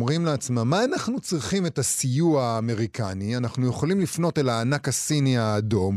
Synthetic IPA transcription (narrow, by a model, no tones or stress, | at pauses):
mʁimleat͡smamːaːnaχnut͡sʁiχime̞tasijuaːme̞ʁikʰanianaχnuje̞χo̞limlifno̞te̞laːnakasiniaːdo̞m